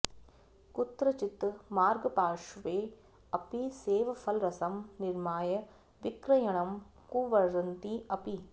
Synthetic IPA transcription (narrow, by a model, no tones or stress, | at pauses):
kut̪ɾɐt͡ʃit̪ːmaːɾɡɐpaːʂʋeː | ɐpiseːʋɐfɐlɾɐsɐmniɾmaːjɐ | ʋikɾɐjɐɳɐm | kuːʋɐɾɐnt̪iɐpi